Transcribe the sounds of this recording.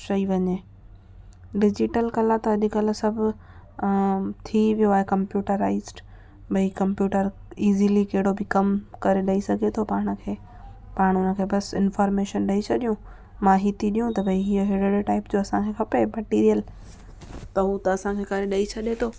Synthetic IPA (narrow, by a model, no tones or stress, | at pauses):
ʃɐiʋɐɲeː | ɖɪd͡ʑɪʈəlkɐlat̪ɐɐʄikɐlsɐbʱʊ | t̪ʰiʋijoaːɦekɐ̃mpjuːʈəɾaːɪzʈ | bʱɐikɐ̃mpjuːʈəɾiːzilikɐɦɪɽobʱɪkɐmkɐɾeɗɐisɐɡʱet̪ʰopaːɽ̃̆kʰeː | paːɽ̃ʊnə̆kʰeːbɐsɪnfaːɾmeːʃənɗɐit͡ɕʰɐɗijũ | mãːɦit̪iɗijũt̪ɐbʱɐiɦiːəɦeɽeɽeʈaːɪpd͡ʑoːɐsãkʰekʰɐpemɐʈiːɾijəl | t̪ɐut̪ɐɐsãkʰekɐɾeɗɐit͡ɕʰɐɗet̪ʰoː